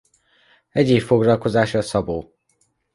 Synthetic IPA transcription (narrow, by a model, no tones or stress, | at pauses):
ɛɟeːfːoɡrɒlko̞zaːʃɒːsɒboː